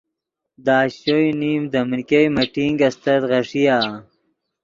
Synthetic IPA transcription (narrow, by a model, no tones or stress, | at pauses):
d̪aːɕojnimd̪mɾikejmɐʈiŋɡɐst̪ɐt̪ʁɐʂijaː